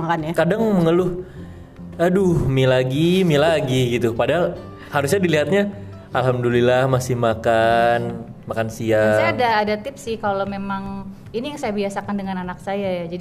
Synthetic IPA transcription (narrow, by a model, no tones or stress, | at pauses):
akanjakadaŋməŋəlʊh | adʊhmilaɡimilaɡiɡit̪upadaɦal | haɾusɲadiliɦat̪̚ɲa | ʔalɦamdulilahmasɪhmakanmakansiasajaadaːdat̪ɪpsɪhkalomemaŋ | inijaŋsajabiasakandəŋananaksajajad͡ʒadi